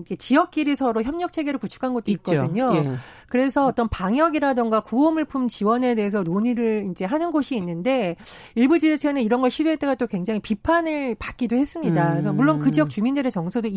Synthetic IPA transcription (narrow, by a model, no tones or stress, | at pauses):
iket͡ɕijʌk͈̚iɾisʰʌɾoçjʌmɲʌk̚t͡ɕʰe̞ɡe̞ɾɯɭkut͡ɕʰu̥kʰanɡʌt̚t͈oik̚k͈ʌdɯɲokɯɾe̞sʰʌːt͈ʌnpaŋjʌɡiɾadɯŋɡakuomɯɭpʰumt͡ɕiwʌne̞de̞ɦes̬ʰʌnoɲiɾɯind͡ʑe̞ɦanɯnɡoɕʰiːnːɯnde̞iɭbud͡ʑiet͡ɕʰenɯniɾʌnɡʌɭɕʰiduɦe̞t͈aɡat͈okwe̞ŋd͡ʑaŋipipʰanɯɭpak͈̚idohes͈ɯmɲidasʰʌmuɭːonkɯd͡ʑijʌk̚t͡ɕ͈umindɯɾet͡ɕʌŋsʰudo